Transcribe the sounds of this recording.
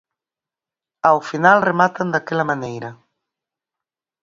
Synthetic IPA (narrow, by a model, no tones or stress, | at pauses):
awfinalremat̪and̪akɛlamanejɾa